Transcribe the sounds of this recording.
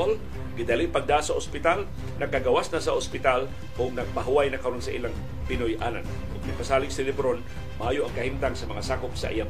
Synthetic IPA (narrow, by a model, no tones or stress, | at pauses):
ol | ɡɪd̪alɪpɐɡ̚d̪asɐospɪt̪al | nɐɡ̚kːaɡɐwasnasɐʔospɪt̪al | kʊŋnɐɡ̚paɦʊwajnɐkɐɾonsɐʔiːlaŋ | pɪnojʔa̰ːna̰n | ʔʊɡmɪpasaːlɪŋsɪlɪbɾon | maʔaːjoʔɐŋkɐhimt̪aŋsɐmɐŋasaːkopsɐ̰ʔɪja